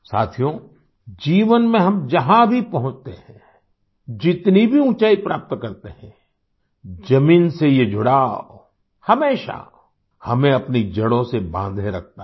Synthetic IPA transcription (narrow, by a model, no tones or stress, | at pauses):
sa̰ːt̪ʰijõ | d͡ʒiːʋənmẽɦɐmd͡ʒɐɦãbʱipɐɦʊ̃t͡ʃt̪eɦɛ̃ | d͡ʒɪt̪nibʱiũt͡ʃaːipɾaːp̚t̪kɐɾt̪eɦɛ̰̃ | d͡ʒɐmiːnsejed͡ʒʱʊɽaːo | hɐmeːʃa̰ | hɐmẽɐpnid͡ʒɐɽõsebã̰ːnd̪ʱẽɾɐk̚ʰt̪a